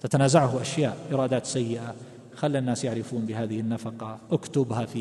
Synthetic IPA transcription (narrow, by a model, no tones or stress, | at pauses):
t̪at̪anaːzaʕhʊʔaʃjaːʔʔɪɾˤɑːd̪aːt̪sajːɪʔa | xalːɪnːaːsjaʕɾɪfuːnbɪɦaːðɪhɪnːafɑqɑʔakt̪ʊbhafiː